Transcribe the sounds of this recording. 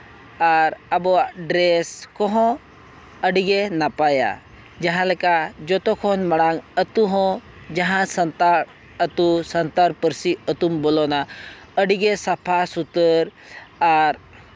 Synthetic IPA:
aɾabɔɖɾeskɔɦɔ̃ | əɖiɡenapaja̰ | d͡ʒaɦãlɛkad͡ʒɔt̪ɔkʰɔnməɽ̃aŋət̪uɦɔ̃ | d͡ʒaɦãsnt̪a | ət̪usənt̪aɾpəɾsiət̪umbɔlɔna | əɖiɡesapʰasut̪əɾ | aɾ

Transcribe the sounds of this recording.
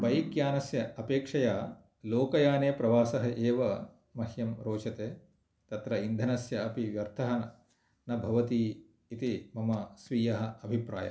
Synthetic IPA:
pɐjikjaːnɐsjɐɐpeːkʂɐjaː | loːkɐjaːneːpɾɐʋaːsɐɦɐʔeːʋɐ | mɐhjɐmɾoːt͡ʃɐt̪eː | t̪ɐt̪ɾɐind̪ʱɐnɐsjɐɐpiʋjɐɾt̪ʰɐɦɐnɐ | nɐbʱɐʋɐt̪iː | it̪imɐmɐsʋiːjɐɦɐ̆ɐbʱipɾa̰ːjɐ̰

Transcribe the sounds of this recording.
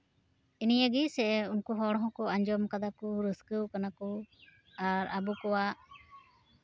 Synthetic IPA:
inijəɡisɛunkuɦɔɽ̃ɔɦɔ̃kɔaɲd͡ʒɔmkad̪akɔɾəskəwkanakɔ | aɾʔabukɔwaʔ

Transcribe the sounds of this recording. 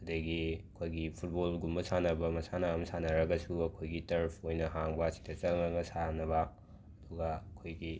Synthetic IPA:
ɐdɐɡiɐkʰojɡipʰut̚bolɡumbɐsʰanɐbɐmɐsanaɐmsanɐɾɐɡɐsuɐkʰojɡitɐɾpʰojnɐɦaŋbɐːsi̥dɐt͡ʃɐlŋɐŋɐsanɐβɐ | ɐduɡɐɐkʰojɡi

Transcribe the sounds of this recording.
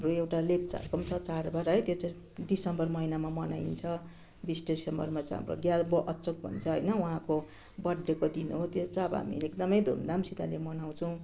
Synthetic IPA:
ɦamroewʈalep̚t͡sa̰rkʌmt͡sʰʌt͡sarbaɾɦʌjt̪jot͡sʌ̃ | ɖisʌmbʌrmʌinamamʌnajnt͡sʰʌ | bisʈeisʌmbʌ̰rmat͡sʌ̃ɦa̰mro̰ɡjalbʌʔʌt͡sok̚bʱʌ̰nt͡sʰʌɦʌ̰jnʌwuɦãko | bʌɖːekod̪inuɦot̪jot͡sʌbʌɦa̰mḭleek̚d̪ʌmʌjd̪ʱṵnd̪amsit̪alemʌnaw̃t͡sʰʌw̃

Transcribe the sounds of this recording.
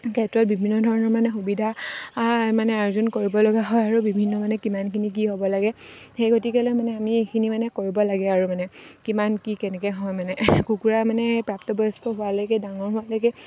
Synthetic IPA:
kɛtɹɔt̚bibʱinːɔdʱɔɹɔnɔɹmanɛxubidʱa | manɛaɹzunkoɹibɔlɔɡaɦɔjaɹubibʱinːɔmanɛkimankʰinik̬iɦobɔlaɡɛxejɡotikɛlɔjmanɛamiekʰinimanɛkoɹibɔlaɡɛaɹumanɛkimankikɛnɛkɛɦɔjmanɛkukuɹamanɛpɹaptɔbɔjɔstɔɦʊalɔjkedaŋɔɹɦʊalojkɛ

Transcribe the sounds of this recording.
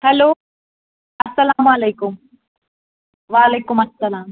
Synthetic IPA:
hɐloː | ɐsːɐlaːmuɐlejkʊm | ʋaːleːkʊmɐsːɐlaːm

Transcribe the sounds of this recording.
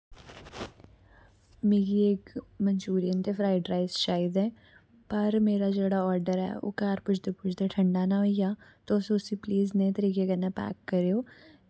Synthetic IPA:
mẽːɡieːkmənt͡ʃuːɾiənt̪eːpʰɾaːɪɖɾaːɪzʃaːɪd̪ɛ̃ː | pəɾmeːɾaːd͡ʒeːɽaːɔːɾɖəɾɛ̰ːo̰ːkaːɾpʊt͡ʃʰd̪epʊt͡ʃʰd̪eʈʰə̃ɳɖaːnaɦoijaːt̪osʊsipliːznẽt̪əɾiːkekənapɛ̰ːkːəɾeːoː

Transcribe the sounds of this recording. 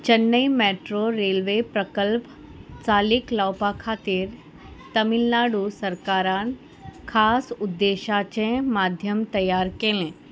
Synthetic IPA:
t͡ɕənːəimɛʈɾoɾelʋepɾəkəlp | t͡saːliklawpakʰaːt̪iɾ | t̪əmilnaɽusəɾkaːɾan | kʰaːsʊd̪ːeʃat͡ɕẽmaːd̪ʱjəmt̪ɐjːaɾkelẽ

